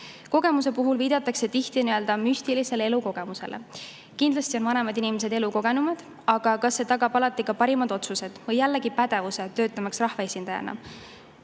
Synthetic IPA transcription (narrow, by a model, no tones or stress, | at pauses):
ko̞ɡe̞mus̬e̞puɦulviːd̪̥ɑt̪ːˑɑkse̞t̪içt̪iniø̞ld̪ɑmysʲt̪ilise̞lee̞luko̞ɡ̥e̞muse̞̰lʔḛ | kind̪lɑsʲt̪io̞nvɑne̞mɑd̪inimes̬e̞d̪e̞luko̞ɡ̥e̞numɑd̪̥ | ɑɡ̥ɑkɑsːe̞t̪ɑɡ̥ɑbɑlɑt̪ːˑikɑpɑɾimɑd̪o̞t̪suse̞d̪̥vɤjːælːeɡipæd̪̥e̞vuse̞t̪ø̞ːt̪ːˑɑmɑksrɑhvɑesʲind̪̥ɑjɑ̰nɑ̰